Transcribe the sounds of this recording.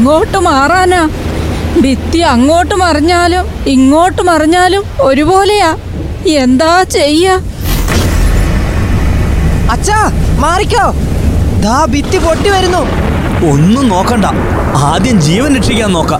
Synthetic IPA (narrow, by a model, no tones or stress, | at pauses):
ŋːo̞ːʈːɨmaːraːnaː | bit̪ːiɐŋːo̞ːʈːɨmɐrɐɲːaːlum | iŋːo̞ːʈːɨmɐriɲːaːlumo̞ɾubo̞ːle̞jaː | end̪aːt͡ɕejːa | ɐt͡ɕːamaːrikʲːoːd̪aːbit̪ːipoʈːiʋɐɾunːu | onːuno̞ːkːɐɳɖɐ | aːd̪jɐmd͡ʑiːʋɐniʈʂikʲːaːnːo̞ːkːa